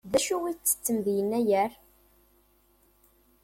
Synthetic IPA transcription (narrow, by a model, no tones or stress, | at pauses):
ðæʃuwit͡sːə̥t͡sːəmðijənːæjəɾ